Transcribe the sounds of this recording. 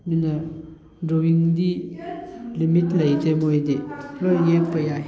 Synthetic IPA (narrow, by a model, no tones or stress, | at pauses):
mina | ɳɖ͡ʐojiŋd̪i | limit̪lajit̪ʰemojed̪elojepːaja